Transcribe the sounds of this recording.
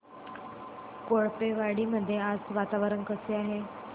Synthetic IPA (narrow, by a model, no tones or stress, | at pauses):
koɭpeʋaɽiməd̪ʱːjead͡zʋat̪aʋɾənkəseaɦe